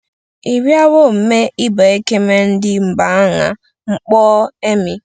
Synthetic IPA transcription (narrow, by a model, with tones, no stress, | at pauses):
i˨ɾi˦a˦wo˦˨m̩˨me˦i˦ba˨e˦ke˦me˦n̩˦dɪ˦ŋ͡m̩˨ba˨a˦ŋa̰˨ | ŋ͡m̩˦k͡pɔː˦e˦mi˨